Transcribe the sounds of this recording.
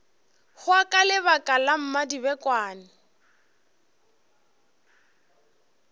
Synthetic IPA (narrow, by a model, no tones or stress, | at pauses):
hʊakʼalɪβakʼalam̩madiβɛkʼwaːnɪ